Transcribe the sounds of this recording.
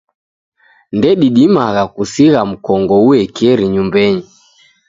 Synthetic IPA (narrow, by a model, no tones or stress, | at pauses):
ndɛɗiɗimaɣakusiɣam̩kɔŋɡɔuɛkɛɾiɲumbɛɲi